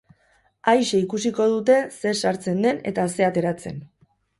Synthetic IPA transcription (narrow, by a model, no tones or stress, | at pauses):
ajʃe̞ikusiko̞ð̞ut̪e̞se̞saɾt͡se̞nd̪e̞ne̞̰t̪ase̞at̪e̞ɾat͡se̞̰n